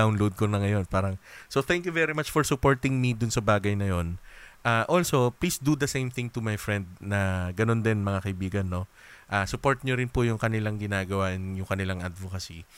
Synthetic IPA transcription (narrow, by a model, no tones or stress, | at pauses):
awnlowd̪̚konɐŋɐjo̞npaːɾɐŋsot̪ɛ̃ŋkjuvɛɾimat͡ʃfɔɹsʊpoɹt̪ɪŋmid̪ʊnsɐbaːɡɐjnɐjonʔaːʔolso̞pliːsd̪ud̪ɐsejmθɪ̃ŋt̪ʊmɐjfɹɛnd̪̚nɐɡɐno̞nd̪ɛnmɐŋakɐʔɪbiːɡɐnːo̞ | ʔaːsʊpo̞ɹt̪̚ɲoɾɪnpʊjʊŋkɐnɪlaŋɡɪnaːɡɐwaːʔɪnjʊŋkɐnɪlaŋʔɐd̪vokɐsi